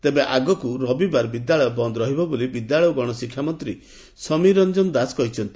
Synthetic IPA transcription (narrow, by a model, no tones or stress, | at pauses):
t̪ebeʔaɡɔkuɾɔbibaɾbid̪jaɭɔjɔbɔnd̪ɔɾɔɦibɔbolibid̪jaɭɔjɔɡɔɽ̃ɔsikʰjamɔnt̪ɾi | sɔmiɾɔnd͡ʒɔnd̪asɔ̥kɔɦit͡ʃʰɔnt̪i̥